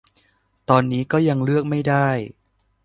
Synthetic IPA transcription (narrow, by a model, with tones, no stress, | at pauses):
t̪ɔː˧nːiː˦˥kɔː˥˩ja˧ŋlɯ˥˩ək̚ma˥˩jdaː˥˩j